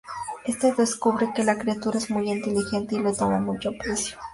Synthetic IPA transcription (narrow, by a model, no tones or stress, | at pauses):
est̪eðeskuβɾekelakɾiat̪uɾaezmujint̪elixent̪eilet̪omamut͡ʃopɾesjo̥